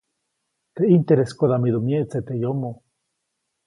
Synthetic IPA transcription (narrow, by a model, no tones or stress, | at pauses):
t̪eint̪eɾeskoðamiðumjet͡set̪ejomo